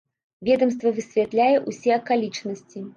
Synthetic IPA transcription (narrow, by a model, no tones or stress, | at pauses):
vʲɛd̪ɐmst̪vɐvɨsʲvʲɛt̪lʲajɛʔusʲɛɐkalʲit͡ʂnɐsʲt͡sʲi